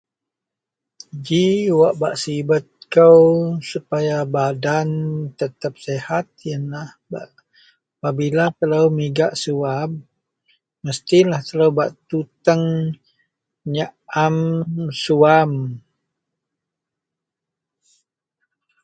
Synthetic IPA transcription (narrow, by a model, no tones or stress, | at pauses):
d͡ʒiwaʔbaʔsibət̪̚kəwsupajabadant̪ət̪əp̚sehat̪̚jənlahba̰ʔ | pabilat̪ələwmiɡaʔsuab | məst̪ilaht̪ələwbaʔt̪ut̪əŋ | ɲaʔamsuam